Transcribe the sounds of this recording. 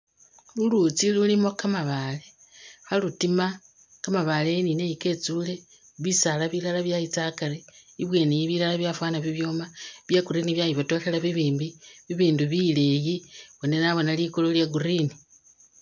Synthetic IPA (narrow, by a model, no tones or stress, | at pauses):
lulut͡silulimo̞kamaβale | xalutima | kamaβale̞nine̞jike̞t͡sule̞ | βisalaβilalaβjajit͡sakaɾeiβwe̞ːnijiβilalaβjafwaːnaβiβjo̞ːmaβjaɡuɾiniβjajiβoto̞xelaβiβiːmbiβiβiːnduβile̞jiβone̞naβo̞nalikololjaɡurini